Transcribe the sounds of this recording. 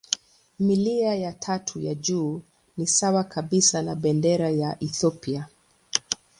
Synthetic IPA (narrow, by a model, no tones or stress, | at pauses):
miliajatʰatʰujaʄuː | nisawakʰaɓisanaɓɛndɛɾajaʔiθɔpia